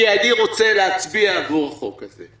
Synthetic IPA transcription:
ianiʁo̞t͡se̞leat͡sbiaːvuʁaχokazḛ

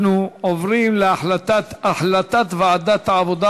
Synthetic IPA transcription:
nuovʁimleaħlat̪ataħlat̪at̪veʕad̪at̪aʕavod̪a

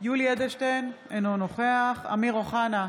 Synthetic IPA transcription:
julijed̪eʃt̪en | enonoχeaχa̰miʁoχana

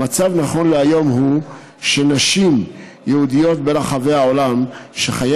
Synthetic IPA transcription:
at͡savnaχo̞nleajo̞mhu | ʃe̞naʃim | jehud̪ijo̞t̪̚belaχaveao̞lamʃeχaja

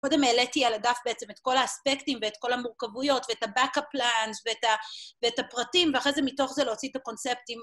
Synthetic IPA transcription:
ko̞de̞meːletialadafbeet͡semetko̞laːspektimveetko̞lamuʁkavujo̞tveetabakaplanzveetaveethapʁatimveaχʁezemito̞χzeleot͡sitako̞nsep̚tim

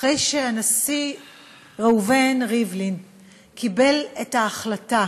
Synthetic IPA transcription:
ejʃeanasi | ʁauvenʁivlin | kʰibe̞lethaːχlata

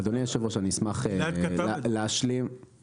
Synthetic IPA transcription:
ad̪oniaʃevoʃaniismaχelleaʃlim

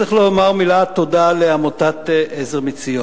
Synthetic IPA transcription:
iχlomaʁmilat̪odaleamot̪at̪ʔezeʁmit͡sijo

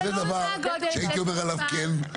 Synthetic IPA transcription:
zed̪avaʁʃeait̪iomeʁalavken

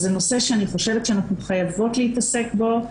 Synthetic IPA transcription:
zeno̞se̞ʃeaniχo̞ʃe̞vet̪ʃeanaχnuχajavo̞tleitase̞kbo̞

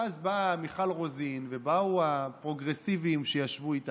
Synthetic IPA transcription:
azbamiχalʁo̞zinve̞bauapʁo̞ɡʁe̞sivimʃejaʃvuit̪a

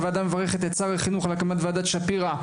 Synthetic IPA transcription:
vead̪amevaʁeχet̪et͡saʁeχinuχalakamat̪vead̪at̪ʃapiʁa

